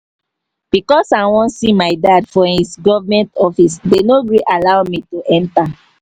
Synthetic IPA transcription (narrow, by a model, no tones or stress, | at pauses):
b̥ikɔsawɔ̃nsimaɪdadfɔ̃hisɡɔvamɛ̃ntɔfisdenoɹiʔalawmituʔɛ̃nta